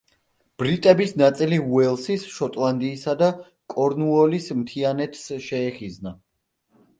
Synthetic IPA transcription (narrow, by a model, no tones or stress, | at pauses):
b̥ɾit̪ʼɛbisnat̪sʼiliuɛlˠsisʃɔt̪ʼlˠand̪iːsad̪a | kʼɔɾnuɔlismt̪ʰianɛt̪ʰsʃɛːχizna